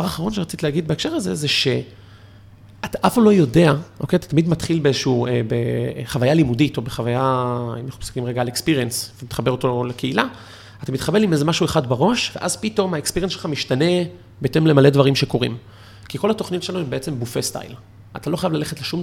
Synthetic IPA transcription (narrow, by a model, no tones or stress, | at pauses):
vaʁaχaʁ̞o̞nʃeat͡sit̪leːɡid̪beekʃeʁaze̞zeʃe̞ | ataʔafamlo̞jo̞de̞aʔo̞kejt̪ḁt̪amidmatχilbeezeʃuuebḛχavajalimudito̞beχavajaḛmnaχupsi̥kimʁeɡaːlekspiʁiensvemit̪χabeotolekeila | atamit̪χabe̞limezemaʃueχadbeʁo̞ʃve̞ʔazpito̞maekspiʁjensʃelχamiʃtane̞ | betemle̞male̞dvaʁimʃe̞ko̞ʁḭm | kiko̞latoχnitʃeanoembe̞et͡se̞mbufest̪a̰jl | at̪alo̞χajavlale̞χet̪leʃum